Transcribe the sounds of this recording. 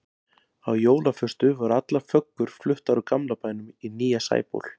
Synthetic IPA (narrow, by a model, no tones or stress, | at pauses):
awjoːwlafʏst̪ʏvaɾʏat̪lafœkːʏɾ̥flʏht̪aɾʏkamlapaːjnʏminiːjasa̰ːjpo̰wl̥